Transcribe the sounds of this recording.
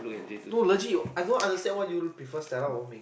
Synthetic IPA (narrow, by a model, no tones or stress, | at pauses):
noləd͡ʒiɔajdõnãndəstɛ̃nwɔ̃njulupifɔstɛɾawɔ̃mẽ